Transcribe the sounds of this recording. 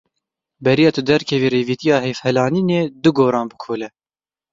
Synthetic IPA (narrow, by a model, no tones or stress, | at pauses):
bɛɾijɑːt̪ʰʊd̪ɛɾkʰɛviːɾeːviːt̪ijɑːheːfhɛlɑːniːneːd̪ɨɡoːɾɑːnbɨkʰoːlɛ